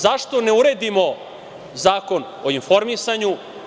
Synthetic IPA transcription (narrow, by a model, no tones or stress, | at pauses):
zaʃt̪o̞neuɾed̪imo̞ | zaːko̞n | oinfo̞ɾmisaɲu